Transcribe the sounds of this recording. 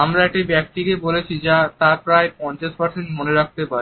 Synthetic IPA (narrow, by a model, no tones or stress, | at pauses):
amɾaɛk̚ʈibɛk̚ʈiɾebolet͡ɕʰid͡ʑat̪apɾaepɔɲt͡ɕaʃpaɾseɳʈmoneɾak̚t̪epaɾ